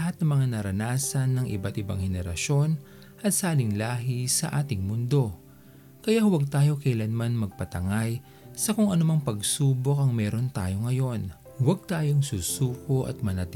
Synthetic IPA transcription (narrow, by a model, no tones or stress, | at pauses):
ɦat̪̚nɐŋmɐŋanɐɾɐnaːsɐnːɐŋʔɪ̰bat̪ɪbaŋhɛnɛɾɐ̰ʃo̞n | ʔɐt̪saːlɪŋlaːɦisɐʔaːt̪ɪŋmʊnd̪o̞ | kɐjahwɐɡ̚t̪aːjo̞kɐjlɐnmanmɐɡ̚pɐt̪ɐŋaj | sɐkʊŋɐnʊmɐŋpɐɡsuːbo̞kɐŋmɛːɾo̞nt̪aːjo̞ŋɐjo̞n | wɐɡ̚t̪aːjo̞ŋsusuːkoʔɐ̰t̪̚mɐnɐt̪